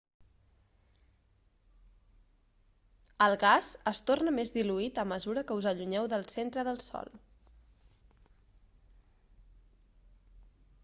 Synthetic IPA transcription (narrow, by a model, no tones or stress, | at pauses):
əlˠɣazəst̪ornəmezðiluit̪əməzuɾəkəuzəʎuɲɛwðəlˠsent̪ɾəðəlˠsɔ̰lˠ